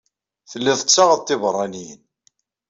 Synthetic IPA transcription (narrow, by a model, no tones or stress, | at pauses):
θəlːɪðˤət͡sːɑʁəðt̪ˤːɪvrˤːɑnijə̰n